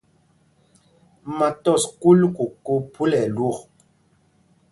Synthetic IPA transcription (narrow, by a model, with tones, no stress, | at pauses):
ma˨tɔ˦˨sku˦lku˨ko˦pu˦lɛ˨lu˦˨k